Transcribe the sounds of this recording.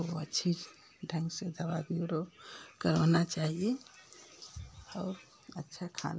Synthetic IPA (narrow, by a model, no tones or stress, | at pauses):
oətːʃʰi | ɖʱə̃ŋɡsed̪ʱəbabjuɾokəɾɔnat͡ʃaɦije | ɔːɾ | ətːʃʰakʰa̰na